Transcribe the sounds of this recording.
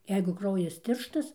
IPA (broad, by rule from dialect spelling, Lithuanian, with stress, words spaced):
ˈjɛɪɡʊ ˈkrɐʊjɛs ˈtʲɪrʃtɐs